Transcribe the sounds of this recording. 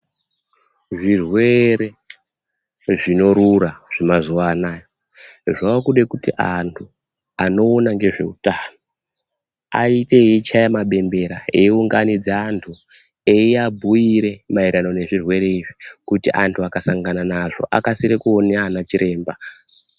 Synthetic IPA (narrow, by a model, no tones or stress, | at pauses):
ʐirwe̞ɾe̞ | ʐino̞ɾuraʐ̥imazuaːnaːjo | ʐakuɗe̞kutḭʔantʰu | ano̞ːnaŋɡe̞ʐe̞̰utaːno | aite̞it͡ʃajemaɓe̞mbe̞ɾaeiuŋɡanid͡zeantʰu | eiabʱujiɾe̞maiɾano̞ne̞ʐirwe̞ɾe̞iʐikutiʔantʰuakasaŋɡananaʐo̞̰ʔa̰kasiɾekuoneanat͡ʃiɾʔe̞ːmba